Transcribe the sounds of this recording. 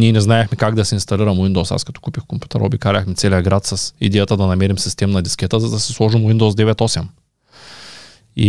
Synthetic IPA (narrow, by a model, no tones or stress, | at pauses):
niɛnɛznaɛxmɛkaɡd̪ɐsɛinst̪ɐliɾɐmwind̪osa̰skɐ̥t̪ɔ̥kupixkompʲju̥t̪ɛ̰ɾo̰bikaɾʲɐxmɛt̪sɛlijɐɡɾat̪sɐsid̪ɛjat̪əd̪ɐnɐmɛɾimsist̪ɛmnɐd̪iskʲɛt̪əzɐd̪ɐsɛ̥slˠɔʒimwind̪ozd̪ɛvɛt̪ɔsɛm | ḭ